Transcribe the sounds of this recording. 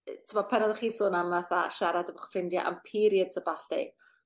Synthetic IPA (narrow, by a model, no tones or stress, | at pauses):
tʰəmɔpʰɛnɔðəχiːsoːnamaθaʃaɾadəvəχfrɪndja̰ʔə̰mpʰiːɾjəd̥səbaɬɪ̰̥